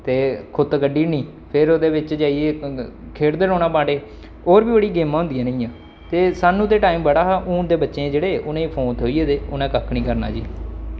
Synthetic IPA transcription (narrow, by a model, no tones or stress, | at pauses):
t̪eːkʰʊt̪kəɖiːnĩː | pʰɪɾoːd̪eːʋɪt͡ʃd͡ʒaːieːkʰeːɽd̪eːɾoːnãːpãːɳɖeː | oːɾʋiːbəɽiːɡeːmãːʊ̃nd̪ijãːnəĩːãː | t̪eːsaːnũːt̪eːʈaːiːmbəɽaːɦaːʔũːd̪eːbətːʃẽːd͡ʒeːɽeːʔʊnẽːĩːpʰoːnt̪ʰoːieːt̪eːʊnãːkəkʰːnĩːkəɾna̰ːd͡ʒḭː